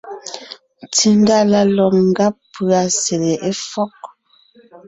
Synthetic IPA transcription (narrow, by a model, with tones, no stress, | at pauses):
tʰi˦nda˦la˦lɔ˨ŋ̩˦ɡa˦pːʉ˨a˨se˨le˨ʔe˦fɔ˦k̚